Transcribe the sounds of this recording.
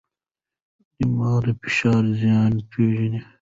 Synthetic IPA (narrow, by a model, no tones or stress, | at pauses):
d̪̥imaːd̪efi̥ʃɑːɾzijɑːnpʰeːʒɐni